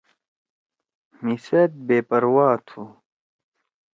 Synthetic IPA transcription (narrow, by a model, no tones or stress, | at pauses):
misɐt̪̚beːpɐɾwaːt̪ʰu